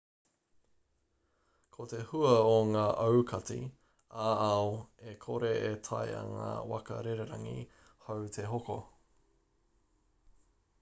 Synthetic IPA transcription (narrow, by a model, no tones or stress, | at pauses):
kʰot̪ehuɐoŋaːʔɐwkʰɐt͡sḭ | aːɐoekʰoɾeʔetʰɐjɐ̰ŋa̰ːwɐ̰kɐ̰ɾeɾeɾɐŋḭ | hɐwt̪ʰeɦoko